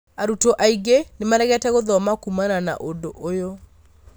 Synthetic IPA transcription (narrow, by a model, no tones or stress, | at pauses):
aɾutoʔaiɡenemaɾɛɣɛtɛɣoðɔmakumanana̰ʔondoʔojo